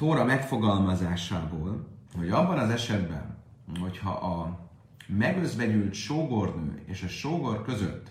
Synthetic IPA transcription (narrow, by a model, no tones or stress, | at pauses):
t̪oːɾɒmɛkfo̞ɡɒlmɒzaːʃaːboːlho̞ɟɒbːɒnɒzɛʃɛd̪bɛ̰n | ho̞chɒ̰ʔɒ | mɛɡøzbɛɟylt̪ʃoːɡornø̰ːeːʃɒʃoːɡo̞rkø̞zø̰t̪ː